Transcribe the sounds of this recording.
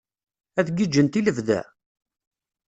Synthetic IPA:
æθɡid͡ʒːənt̪iləvðæ̰

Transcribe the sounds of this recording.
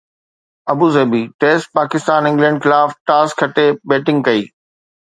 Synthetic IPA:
ɐbuːzeːbiːʈeːsʈ̚paːkɪst̪aːnɪ̃ŋɡlɛ̃ːɳɖxɪlaːfʈaːskʰːɐʈebeːʈɪ̃ŋɡ̚kɐiː

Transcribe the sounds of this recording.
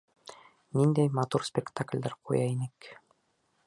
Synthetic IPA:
nind̪æjmɑt̪uɾsʲpʲɪkt̪aklʲd̪æɾqʰṵjɑinɘk

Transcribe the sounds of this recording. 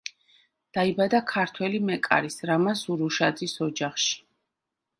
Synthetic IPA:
d̪̥aibad̪akʰaɾt̪ʰwɛlimɛkʼa̰ɾisɾamasuɾuʃad̪zisɔd͡ʒaχʃi̥

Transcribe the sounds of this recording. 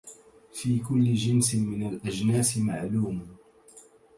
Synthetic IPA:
fiːkʊlːɪd͡ʒɪnsmɪnalʔad͡ʒnaːsɪmaʕluːm

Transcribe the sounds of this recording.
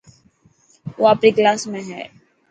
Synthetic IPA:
ʋoːapniklaːsmẽɦɛ̰ː

